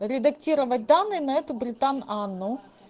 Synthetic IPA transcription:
ɾʲɪd̪ɐktʲiɾɐvɐt̚ʲd̪anːɨjnɐɛt̪ʊbɾʲɪt̪ananːʊ

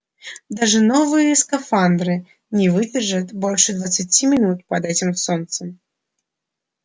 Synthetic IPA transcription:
d̪aʐɨnovɨjəɪskɐfand̪ɾɨ | nʲɪvɨdʲɪrʐɨt̪bolʲʂɨd̪vɐt̪sɨt͡sʲimʲɪnut̪̚pɐd̪ɛtʲɪmsont̪səm

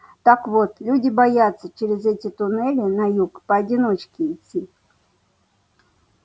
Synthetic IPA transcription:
t̪akvot̪lʲudʲɪbajat̪sːət͡ɕeɾʲɪzɛtʲɪt̪ʊnɛlʲɪnɐjukpəɐdʲɪno̞t͡ɕkʲɪːtʲːi

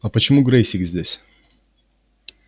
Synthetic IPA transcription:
ɐpət͡ɕɪmuɡɾejsʲɪkzʲdʲesʲ

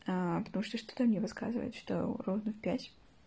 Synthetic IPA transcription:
apət̪ɐmuʂt̪oʂt̪o̥t̪əmnʲevɨska̰zɨvə̰jɪt̪ʂt̪o̰rovnəfpʲætʲ

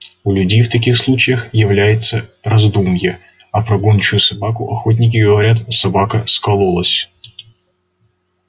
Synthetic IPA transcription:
ʊlʲʉdʲejft̪ɐkʲixslˠut͡ɕɪjəxjɪvlʲæjɪt̪sərɐzd̪umjə | ɐpɾɐɡunʲt͡ɕʊjʊsɐbakʊʔɐxot̬ʲnʲɪk̬ʲɪɡəvɐɾʲat̪sɐbakəskɐlˠolˠəsʲ

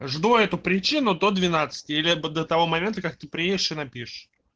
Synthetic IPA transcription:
ʐd̪oɛt̪ʊpɾʲɪt͡ɕinʊd̪od̪vʲɪnat̪sɨ̥tʲɪilʲɪd̪ət̪ɐvo̞mɐmʲe̞nt̪əkak̚t̪ɨpɾʲɪjedʲɪʂɨnɐpʲiʂ

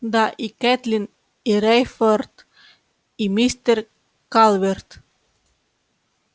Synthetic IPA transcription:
d̪ɑʔikɛt̪lin | iɾɛjfɔɾt̪ | imist̪əɾ | kɑlʋɛɾt̪

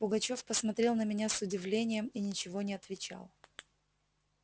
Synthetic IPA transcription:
pʊɡɐt͡ɕo̞fpəsmɐt̪ɾʲe̞lˠnəmʲɪnʲasʊdʲɪvlʲenʲɪjəminʲɪt͡ɕɪvo̞nʲɪɐt̪vʲɪt͡ɕa̰lˠ

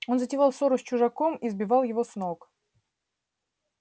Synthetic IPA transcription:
o̞nzətʲɪvɑlˠsoɾʊsʲt͡ɕʊʐɐkomizbʲɪvɑlˠjɪvosnok

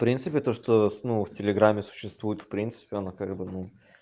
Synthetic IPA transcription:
fpɾʲint̪sɨpʲɪt̪o̞ʂt̪onuftʲɪlʲɪɡɾamʲːɪsʊ̥ɕːɪst̪vujɪt̪fpɾʲint̪sɨ̥pʲɪɐnakaɡbɨnu

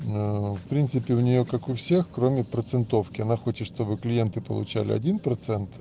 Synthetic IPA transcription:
fpɾʲint̪sɨpʲɪʊnʲɪjo̞kakʊfsʲe̞xkɾomʲɪpɾət̪sɨnt̪o̞fkʲɪɐnaxo̞t͡ɕɪt̪ʂt̪o̞bɨklʲɪjent̪ɨpə̰lˠʊ̰t͡ɕæ̰lʲɪ̰ɐ̰dʲinpɾɐt̪sɛnt̪

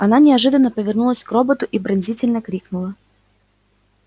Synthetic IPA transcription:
ɐnanʲɪɐʐɨd̪ənːəpəvʲɪrnulˠəsʲkrobət̪ʊʔibɾɐnʲzʲitʲɪlʲnəkɾʲiknʊlˠə

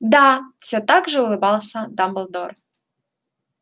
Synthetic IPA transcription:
d̪afsʲot̪ɑɡʐəulˠɨbɑlˠsʲəd̪ɑmbəlˠd̪or

